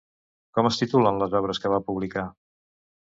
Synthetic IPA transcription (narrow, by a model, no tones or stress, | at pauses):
kɔməst̪it̪ulənləzɔβ̞ɾəskəβapuβlika